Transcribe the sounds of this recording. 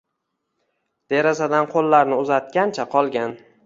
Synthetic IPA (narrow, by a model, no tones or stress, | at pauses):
d̪̥e̞ɾazad̪anqʰolˠːaɾnɪʊzat̪̚kʲant͡ʃʰaqʰɒlˠɡʲan